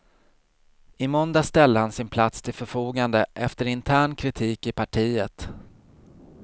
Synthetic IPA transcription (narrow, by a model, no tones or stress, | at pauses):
ɪmɔnd̪ast̪ɛld̪əhansɪnpʰlat̪st̪ʰɪlfœɾfuːɡand̪əʔɛft̪əɾɪnt̪ʰæːɳkʰɾɪt̪ʰiːkɪpʰaʈʰiːət̪